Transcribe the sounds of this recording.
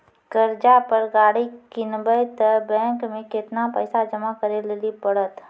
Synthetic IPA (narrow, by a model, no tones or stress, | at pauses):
ɡ̥əɾd͡ʒapəɾɡaːɽikɪnbəjt̪əbɛ̃ːŋkmẽkɪt̪napə̰ːsad͡ʒɐmakəɾelelipəɽət̪